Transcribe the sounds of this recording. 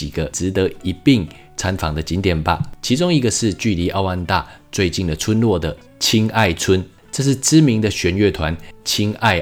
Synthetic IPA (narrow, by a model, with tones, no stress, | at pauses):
i˨˩ɡ̥ə˦ʈ͡ʂɻ̩˧˥t̪ə˧˥i˧˥pi˥˩ŋ | t͡sʰa˧˦nfɑ˨˩ŋd̪ə˦t͡ɕi˧˥nt̪jɛ˨˩nba̰˨˦t͡ɕʰi˧˥t͡sʊ˥ŋi˧˥ɡə˨ʂɻ̩˥˧t͡ɕy˥˩li˧˥ʔa˥˧ʊa˥˧nt̪a̰˥˨t͡swe˥˧ɪt͡ɕi˥˩nd̪ə˩t͡sʰwə˦˥nlwɔ˥˩d̪ə˩ | t͡ɕʰi˥ŋa˥˩ɪt͡sʰwə˦˥n | ʈ͡ʂɤ˥˧ʂ̬ɻ̩˥˩ʈ͡ʂɻ̩˥mi˧˦ŋd̪ə˨ɕɥɛ˧˥˦nɥɛ˥˩t̪ʰwa˧˦nt͡ɕʰi˥ŋa˥˩ɪ